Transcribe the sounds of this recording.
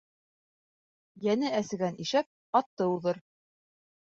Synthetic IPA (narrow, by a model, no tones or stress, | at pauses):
jænɘæsɘ̆ɡæniʃæp̚ | ɑt̪ːɤuðɤɾ